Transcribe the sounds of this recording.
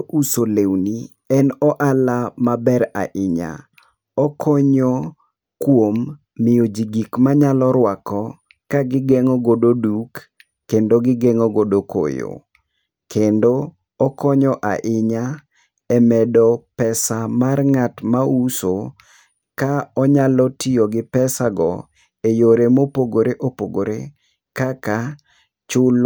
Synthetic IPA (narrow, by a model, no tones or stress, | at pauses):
ʔusolewni | ɛnɔʔalamabɛɾa̰ʔɪɲa̰ | ɔkʰɔɲɔ | kwomː | ɪjod͡ʒiɡikmaɲalɔɾwakɔ | kaɡɪɡɛŋɔɡododukː | endoɡɪɡɛŋɔɡodoko̰jo̰ | kʰendo | ɔkɔɲɔʔa̰ʔɪɲa | ɛmɛdɔpɛsamarŋatmauso | kaɔɲalɔtijoɡɪpɛsaɡɔ̰ | ejoɾemopoɡoɾeʔopoɡoɾe | kaka | t͡ʃʊl